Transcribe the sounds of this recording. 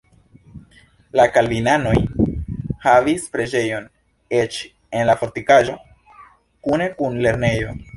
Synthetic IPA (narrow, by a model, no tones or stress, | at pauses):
lakalvinano̞j | havispɾe̞d͡ʒe̞jo̞n | e̞t͡ʃ | e̞nlafo̞ɾtikaʒo̞ | kune̞kunle̞ɾne̞jo̞̰